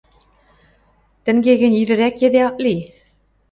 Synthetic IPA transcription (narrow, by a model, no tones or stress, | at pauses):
t̪ɘ̆ŋɡʲeɡʲɘ̆niɾɘ̆ɾækjed̪eɑʔli